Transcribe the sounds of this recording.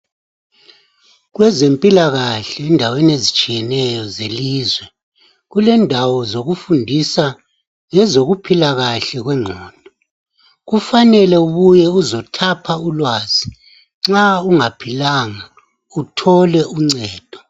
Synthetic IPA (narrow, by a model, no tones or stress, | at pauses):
ɣwɛzempʼilaɣaɬɛːndʱawenezit͡ʃʼijɛnɛjɔzeliːzwɛ | ɣulɛndʱawɔzoɣufundʱisa | ŋɛzoɣupʰilaɣaɬɛɣwɛŋ͡ǀʱɔːnd̥ʱɔ | ɣufanɛlɛuɣujɛuzɔtʰapʰaulwaːz̥i | ŋ͡ǀauŋapʰilaːŋa | utʰɔlɛʔuŋ͡ǀɛːd̥ʱɔ